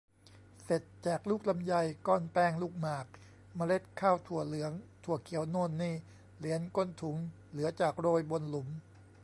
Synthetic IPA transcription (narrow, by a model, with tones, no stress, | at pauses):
se˨˩t̪̚t͡ɕaː˨˩k̚luː˥˩k̚la˧mja˧jkɔː˥˩npɛː˥˩ŋluː˥˩k̚maː˨˩k̚ | ma˧le˦˥˩t̪̚kʰaː˥˩wt̪ʰu˨˩əlɯ˩˦əŋt̪ʰu˨˩əkʰi˨˩˦əwnoː˥˩nːiː˥˩ | li˩˦ənko˥˩˨nt̪ʰu˩˦ŋ | lɯ˩˦ɐt͡ɕaː˨˩k̚ɾoː˧jbo˧nlu˩˦m